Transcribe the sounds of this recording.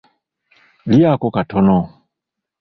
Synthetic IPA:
liakɔkatʰɔnɔ

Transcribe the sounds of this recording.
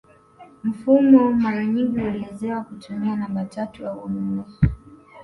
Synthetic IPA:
m̩fumɔmaɾaɲiŋɡiuliɛzɛwakutumianambatatujauɔmuɛ

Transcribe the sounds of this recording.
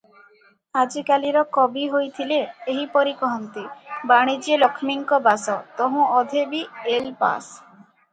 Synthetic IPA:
ad͡ʒikaliɾɔkɔbiɦojt̪ʰileːɦipɔɾikɔɦɔnt̪ibaɽ̃id͡ʒielɔkʰmiŋkɔbasɔt̪ɔɦũɔd̪ʱebielpa̰s

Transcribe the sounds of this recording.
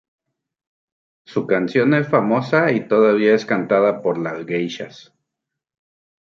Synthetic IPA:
sukansjonesfamosait̪oðaβ̞iaeskant̪aðapoɾlazɡejʃa̰s

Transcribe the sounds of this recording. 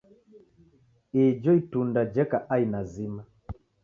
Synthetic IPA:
id͡ʒɔitundad͡ʒɛkaʔainazima

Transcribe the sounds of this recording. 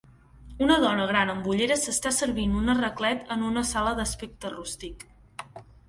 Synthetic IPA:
unəðɔnəɣɾanəmbuʎeɾəsəst̪asəɾβinunərəklɛt̪ənunəsaləðəspek̚t̪ərust̪ik

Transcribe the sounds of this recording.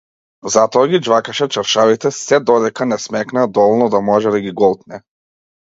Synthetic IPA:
zat̪ɔaɡid͡ʒvakaʃɛt͡ʃaɾʃavit̪ɛsɛd̪ɔd̪ɛkanɛsmɛknad̪ɔvɔlˠnɔd̪amɔʒɛd̪aɡiɡɔlˠt̪nɛ

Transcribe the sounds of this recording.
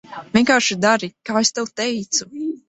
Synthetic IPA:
vʲiɛŋkaːɾʃid̪aɾikaːest̪ɛwt̪ɛjt̪su

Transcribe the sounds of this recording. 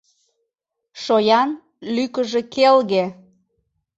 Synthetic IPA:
ʃojɑn | lykəʒekelɣe

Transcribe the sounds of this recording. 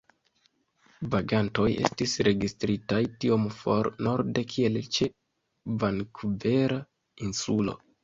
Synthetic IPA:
vaɡanto̞je̞̰stisɾe̞ɡistɾitajtiomfo̞ɾno̞ɾde̞kʰie̞lt͡ʃe | vankuve̞ɾa | insulo̞̰

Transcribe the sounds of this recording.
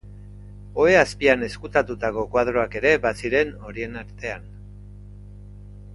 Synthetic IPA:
o̞e̞aspiane̞skut̪at̪ut̪ako̞kwað̞ɾo̞ake̞ɾe̞basiɾe̞no̞ɾie̞naɾt̪e̞an

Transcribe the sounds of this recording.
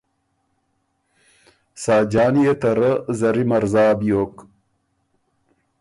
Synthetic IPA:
saːd͡ʑaːnijet̪ɐɾɐzɐɾimɐɾzaːbijoːk

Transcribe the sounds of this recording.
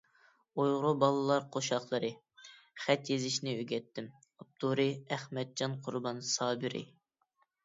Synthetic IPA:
ujʁɾʊbɑlˠɨlˠɑɾqʰoʃɑχlˠəɾɨ | χɛt̪jezɪʃnɪøɡʲɛt̪ːɪm | up̚t̪ʰuɾɨæχmɛd̪̚d͡ʒɑnqʰʊɾbɑnsɑːbɨɾɪ̰

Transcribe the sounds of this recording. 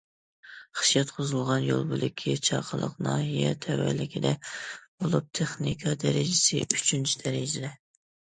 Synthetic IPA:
χɨ̥ʃjɑt̪qʰozɨlˠʁɑnjo̰lˠbɨlɪkʲʰːit͡ʃʰɑqʰəlˠə̰qnɑɦijɛt̪ʰɛwæ̰lɪkʲʰid̪ɛb̥olˠup̚t̪ʰeχnikʰɑd̪ɛɾɪd͡ʒɪsɪyt͡ʃʰynt͡ʃʰid̪ɛɾɪd͡ʒɪd̪ɛ

